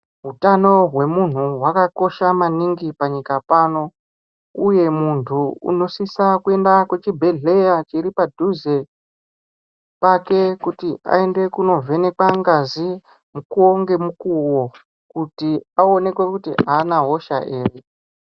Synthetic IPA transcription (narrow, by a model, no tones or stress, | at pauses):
ɦutano̞ɦwe̞mun̤uɦwakako̞ʃamaniŋɡipaɲikapano̞ | uje̞muntʰuṵno̞sisakue̞ndakwe̞t͡ʃibʱe̞ɮe̞jat͡ʃiɾipadʱuze | pake̞kutia̰e̞nde̞kuno̞vʱe̞ne̞kwaŋɡazi | mukuo̞ŋɡe̞mukuwo̞ | kutiao̞ne̞kwe̞kutḭaːnaɦo̞ʃa̰ʔeːre